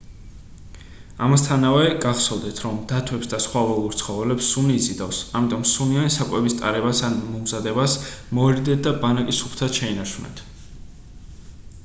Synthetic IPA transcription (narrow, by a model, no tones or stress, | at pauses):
amast̪ʰanavɛɡaʁsɔlˠd̪ɛt̪ʰɾɔmd̪at̪ʰwɛpsd̪asχwavɛlˠuɾt̪sʰχɔvɛlɛpsːuniːzid̪afsamit̪ʼɔmsunianisakʼwɛbist̪ʼa̰ɾɛbasanmɔmzad̪ɛbasmɔɛɾid̪ɛt̪̚d̪abanakʼisupʰt̪ʰad̪ʃɛinaʃunɛ̰nt̪ʰ